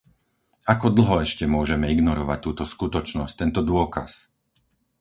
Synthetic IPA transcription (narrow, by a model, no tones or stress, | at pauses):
akɔd̪l̩ɦɔɛʃcɛmʊɔʒɛmɛiɡnɔɾɔʋa̰c̚t̪uːt̪ɔskut̪ɔt͡ʃnɔsc̚t̪ɛnt̪ɔd̪ʊɔkas